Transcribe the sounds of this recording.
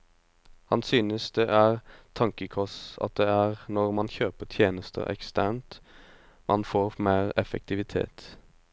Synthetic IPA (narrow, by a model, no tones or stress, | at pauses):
hɑ̰nsyːnəsd̪ɛʔæːʁt̪ʰɑŋkəkʰɔsɑ̰t̪̚d̪ɛæːʁnɔʁmɑnçøːpət̪ʰjeːnəst̪ʰə̰ɾɛ̰kst̪æːnt̪ | mʔɑnfoːʁmeːʁɛfə̰k̚t̪ʰɪʋɪt̪ʰḛːt̪